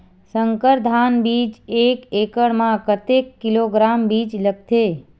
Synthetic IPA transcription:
sə̃ŋkəɾd̪ʱaːnbiːd͡ʒeːkeːkəɽmãkət̪ekːɪloɡɾaːmbiːd͡ʒləɡ̚t̪ʰeː

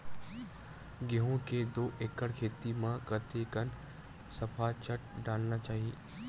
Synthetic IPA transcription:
ɡeɦõked̪oːʔekəɽkʰeːt̪imãkət̪ekən | sɐpʰaːt͡ʃʰəʈ̚ɖaːlnat͡ʃaːɦi

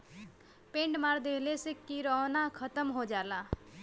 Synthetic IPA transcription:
peɳɖmaɾd̪elesekiɾʌɦnakʰʌt̪əmɦod͡ʒala

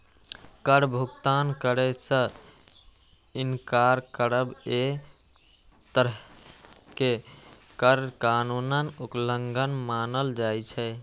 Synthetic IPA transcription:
kəɾbʱukt̪ankəɾɛsə̃ | inkaɾkəɾəbe | t̪əɾ | kekəɾkanunənupləŋɡʱənmanəld͡ʒajt͡ʃʰɛ

